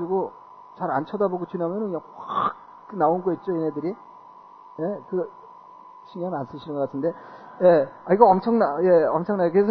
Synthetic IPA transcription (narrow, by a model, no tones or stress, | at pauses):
iɡo | t͡ɕaɾant͡ɕʰʌdaboɡot͡ɕunamjʌnɯnaxwak̚ | ɯnaonɡoit̚t͡ɕ͈oinɦedɯɾi | je̞kɯ | ɕʰiŋjʌmians͈ɯɕʰinɯnɡʌkatʰɯnde̞ | je̞aiɡʌʌmt͡ɕʰʌŋnaje̞ʌmt͡ɕʰʌŋnajokɯesʰ